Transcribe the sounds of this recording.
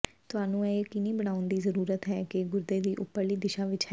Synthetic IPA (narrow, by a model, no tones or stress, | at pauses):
t̪ʊɦaːnũːeːkɪnĩːbəɽ̃aːʊnd̪iːzəɾuːɾət̪ɦɛːkɪɡʊɾd̪eːd̪iːʔʊpːəɾliːd̪ɪʃaːʋɪt͡ʃɦɛ